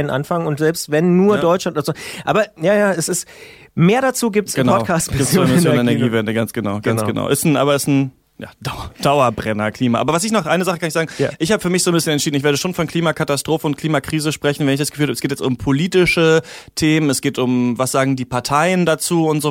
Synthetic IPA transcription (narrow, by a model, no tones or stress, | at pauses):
nənʔa̰nfaŋʊntz̥ɛlpstvɛnːuːɐdɔʏtt͡ʃlantdazuʔaːbɐjaːjaːɛsɪst | meːɐɾat͡suːɡiːp̚tsɡənpɔʊtkʰaːstmɪimɪssjoːnɛnɛɐɡiːvɛndəɡansɡ̥ənaʊɡ̥ansɡəna̰ʊʔɪstn̩ʔa̰ːbɐɪstn̩ | ja̰ːd̥aɐd̥aʊɐbʁɛnɐkʰl̥iːmaʔaːbɐvas̬ɪçnɔχʔaɪnəzaχəkanɪçszaːɡŋ̩ʔɪçhaːbəfyːɐmɪçz̥oːnbɪsçənɛntt͡ʃʃiːdn̩ɪçveːɐɾəʃoːnfɔnkliːmakʰatastʁ̥oːfəʊntkʰl̥iːmakʁ̥iːzəʃpʁ̥ɛçn̩vɛnɪçdasɡ̥ə̥fylhaːbɛsɡ̥eːt̬jɛt͡stʊmpʰoliːtɪʃətʰeːmənɛsɡ̥eːtʊmvasz̥aːɡŋ̩diːpaɐtʰaɪəndat͡suːʊntz̥oː